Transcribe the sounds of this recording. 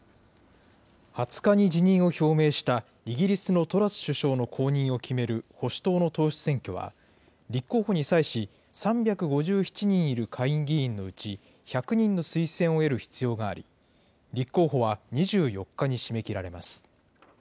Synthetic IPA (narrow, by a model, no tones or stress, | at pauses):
hat͡sɨ̥kaɲ̟id͡ʑiɲ̟ĩɰ̃o̞ço̞ːme̞ːɕi̥t̪a | iɡʲiɾʲisɨno̞t̪o̞ɾasɨ̥ɕɨɕo̞ːno̞kʰo̞ːɲ̟ĩɰ̃o̞kʲime̞ɾɯ̟ho̞ɕi̥t̪oːno̞t̪o̞ːɕi̥t͡sɨ̥sẽ̞ŋkʲo̞̰βa̰ | ɾʲikːo̞ːho̞ɲ̟isaiɕi | sãmbʲakɯ̟ɡo̞ʑɨːçi̥t͡ɕiɲ̟ĩɰ̃iɾɯ̟kʰaĩŋɡʲĩːnːo̞ɯ̟t͡ɕi | çakɯ̟ɲ̟ĩnːo̞sɨisẽ̞ɰ̃o̞e̞ɾɯ̟çi̥t͡sɨjo̞ːɡaːɾʲḭ | ɾʲikːo̞ːɦo̞βaɲ̟iʑɨːjo̞kːaɲ̟iɕime̞kʲiɾaɾe̞masɨ̥